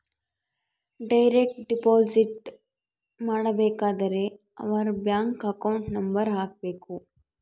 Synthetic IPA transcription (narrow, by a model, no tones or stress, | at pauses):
ɖajɾeːk̚ʈ̚ɖipɔːziʈ | maːɽəbeːkad̪əɾe | ɐ̰ʋaɾbjaːŋkɐkaʊɳʈnɐmbəɾɦaːk̚beːkʰoː